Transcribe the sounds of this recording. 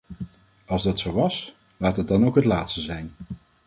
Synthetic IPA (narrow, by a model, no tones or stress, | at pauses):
ɑlˠzdɑtsowʋɑs | laːtəd̚ɑnowkɦətlaːtstəzɛjn